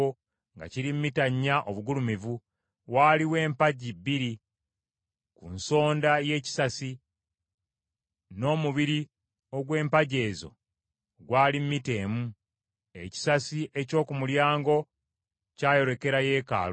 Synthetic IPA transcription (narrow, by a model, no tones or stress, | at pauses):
o | ŋɡa̰ciɾimmitaɲːaʔo̞βuɡulumivu | waːliwe̞ːmpaɟibːiɾi | kunso̞ːndaje̞ːci̥sasi | no̞ːmuβiɾi | o̞ɡwe̞ːmpaɟe̞ːzo̞̰ | ɡwaːlimmite̞ːmu | e̞̰ci̥sasiʔe̞co̞ːkumuljaːŋɡo̞ | caːjo̞ɾe̞ke̞ɾaje̞ːka̰ːl